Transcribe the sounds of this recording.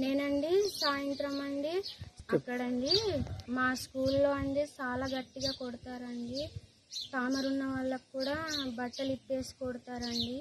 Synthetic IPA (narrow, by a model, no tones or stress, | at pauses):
ne̞ːnɐɳɖisaːjɐnt̪ɾɐmɐɳɖiɐkːɐɽɐɳɖimaːskuːlːo̞ːɐɳɖeːt͡ʃaːlaːɡɐʈːiɡaːkoɽut̪aːɾɐɳɖi | t̪aːmɐɾunːɐʋɐɭːɐkkːuːɽaːbɐʈːɐlipːe̞ːsi̥koɽut̪aːɾɐɳɖi